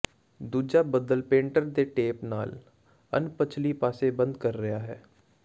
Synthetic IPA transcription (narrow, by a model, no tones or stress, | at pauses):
d̪uːd͡ʒaːbəd̪əlpẽːɳʈəɾd̪eʈeːpna̰ːl | ə̰npət͡ʃʰlipaːsebə̃nd̪kəɾːɐjaːɦɛː